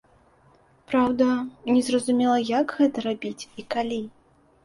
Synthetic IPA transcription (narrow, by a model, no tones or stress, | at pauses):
pɾawd̪ɐnʲɛzrɐzumʲɛlˠɐjaɡɣɛt̪ɐɾabʲit͡sʲikalʲi